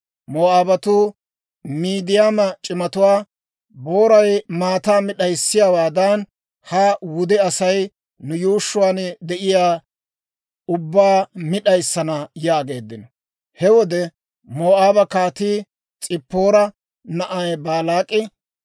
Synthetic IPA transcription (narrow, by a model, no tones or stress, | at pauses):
moːaːbɐt̪u | miːd̪ɪjamɐt͡ʃʼɪmɐt̪ʊwaː | bo̞ːɾɐjmaːt̪aːmɪɗɐjsːɪjaːwaːd̪ɐn | hawʊd̪ɛɐsɐj | nʊjuːʃːʊwaːnd̪ɛʔɪjaː | ʊbːaːmɪɗɐjsːɐnɐjaːɡe̞ːd̪ːɪnɔ | hɛwɔd̪ɛ | moːaːbɐkaːt̪iː | t͡sʼɪpːo̞ːɾɐ | nɐʔɐjbaːlaːkʼɪ